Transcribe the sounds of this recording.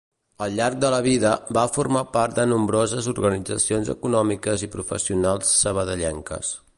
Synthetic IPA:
əlˠʎaɾk̚d̪ələβ̞iðəbafurmapart̪̚d̪ənumbɾozəzuɾɣənid͡zəsionzə̰kunɔmikəzipɾufə̰siunalˠsːəβ̞əðəʎɛŋkə̰s

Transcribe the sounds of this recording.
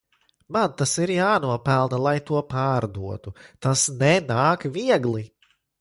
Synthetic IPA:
mant̪asiɾjaːnuɔpælˠnɐlˠajt̪uɔpaːɾd̪uɔt̪ut̪asnɛnaːkviɛɡlˠi

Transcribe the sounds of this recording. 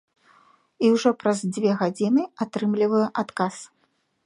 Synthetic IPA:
iwʐɔpɾɐzd͡zʲvʲɛɣad͡zʲinɨat̪ɾɨmlʲivɐjɛʔat̪kas

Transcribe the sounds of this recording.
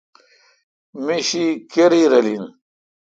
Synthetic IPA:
miɕikeɾiɾɐlin

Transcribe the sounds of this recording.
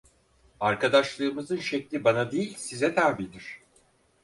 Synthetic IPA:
aɾkad̪aʃlˠɯːmɯzɯnʃɛclʲibanad̪ejilʲsizɛt̪ʰæɾbiːd̪iɾ̝̥

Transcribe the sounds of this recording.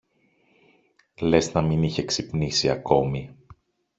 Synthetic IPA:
le̞znɐminiçe̞ksipnisiɐko̞mi

